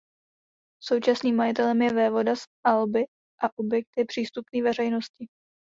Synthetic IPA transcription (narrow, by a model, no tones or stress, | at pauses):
so̞wt͡ʃasniːmːajɪt̪ɛlɛmjɛvɛːvo̞dasʔalbɪ | ʔaʔobjɛk̚t̪jɛpr̝̥iːst̪upniːvɛr̝ɛjno̞scɪ